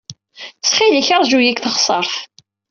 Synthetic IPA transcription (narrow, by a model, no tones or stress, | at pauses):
sχiliçɑɾˤʒujikθəχsˤəɾˤθ